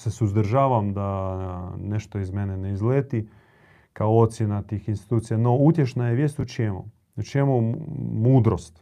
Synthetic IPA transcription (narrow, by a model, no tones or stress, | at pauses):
sesuzd̪ɾ̩ʒaːʋamd̪a | ne̞ʃt̪oizme̞neneizlet̪i | kaoot̪sjenat̪iːxinst̪i̥t̪uːt̪sijano̞ut̪ʲjeʃnajeʋjeːst̪ut͡ʃemṵ | ut͡ʃemumuːd̪ɾost̪